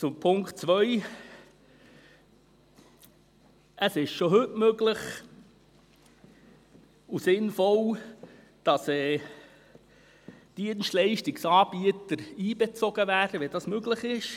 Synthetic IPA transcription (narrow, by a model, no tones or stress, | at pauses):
t͡sʊmpʰʊŋktt͡sʋœj | ʔəsɪʃʃoɦɵtmøɡləχ | usɪnfɔl | d̥ɑsɛː | d̥iənstlɛɪʃtɪksɑːb̥iət̪əɾiːbɛt͡sɔɡ̥əvæːdəʋɛd̥ɑsmøɡləχɪʃ